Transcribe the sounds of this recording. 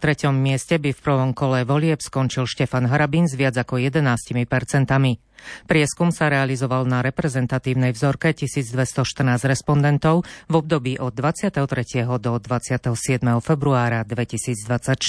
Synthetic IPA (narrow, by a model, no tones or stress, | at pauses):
t̪ɾɛcɔmːɪɛscɛbifpr̩ʋɔmkɔlɛʋɔlɪɛpskɔnt͡ʃilʃcɛfanɦaɾabinzʋɪad͡zakɔjɛd̪ɛnaːscimipɛɾt͡sɛnt̪ami | pɾɪɛskumsaɾɛalizɔʋalnaɾɛpɾɛzɛnt̪at̪iːʊnɛjvzɔɾkɛcisiːd͡zd̪ʋɛst̪ɔʃt̪ər̩naːzɾɛspɔnd̪ɛnt̪ɔʊvɔb̚d̪ɔbiːʔɔd̪ːʋat͡sɪat̪ɛɦɔt̪ɾɛcɪɛɦɔd̪ɔd̪ʋat͡sɪat̪ɛɦɔsɪɛd̪mɛɦɔfɛbɾuaːɾad̪ʋɛcisiːd͡zd̪ʋat͡sac